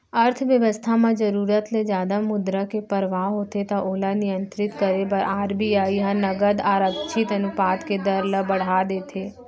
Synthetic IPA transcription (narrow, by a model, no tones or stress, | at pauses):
əɾt̪ʰʋjəʋəst̪ʰamãd͡ʒəɾuːɾət̪led͡ʒjaːd̪amʊd̪ɾəkepəɾʋaːɦoːt̪et̪aʔoːlanɪjə̃nt̪ɾɪt̪kəɾebɐɾaːɾbiaːiɦãnɐɡəd̪aːɾəkʃʰɪt̪ɐnʊpaːt̪ked̪əɾləbəɽ̤aːd̪eːt̪ʰeː